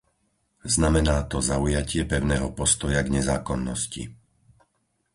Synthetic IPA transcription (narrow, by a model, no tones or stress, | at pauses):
znamɛnaːt̪ɔzaujacɪɛpɛʊnɛːɦɔpɔst̪ɔjaɡɲɛzaːkɔnːɔscḭ